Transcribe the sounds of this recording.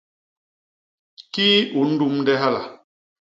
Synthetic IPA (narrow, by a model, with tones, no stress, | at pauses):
ki˦u˨n̩˦du˦mndɛ˦ɦa˦la̰˨